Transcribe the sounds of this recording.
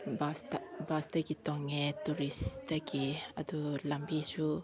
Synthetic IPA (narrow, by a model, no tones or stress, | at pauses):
bast̪abast̪əkit̪ɔŋɛt̪uɾist̪əkiad̪ulambit͡ʃu